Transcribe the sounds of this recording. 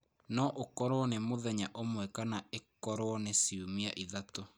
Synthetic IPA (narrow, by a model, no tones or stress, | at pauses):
nɔʔokɔɾoɔnemoðɛɲaʔomwɛkanaekɔɾoɔnesiumia̰ʔiðato